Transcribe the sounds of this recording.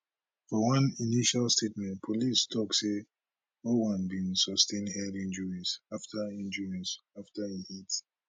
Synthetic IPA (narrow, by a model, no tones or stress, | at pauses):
fɔwʌ̃niniʃalstʰetmɛ̃ntpʰolistʰɔkse | nowãnbĩnsɔstʰẽnɛdĩnd͡ʒɔɹizaftʰaĩnd͡ʒɔɹiɔsaftaihit